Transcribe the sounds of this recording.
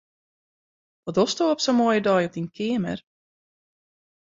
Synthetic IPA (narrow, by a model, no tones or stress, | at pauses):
ɔdɔstoːɔpsomoəjədɔjɔp̚dinkʰɪəmə̰r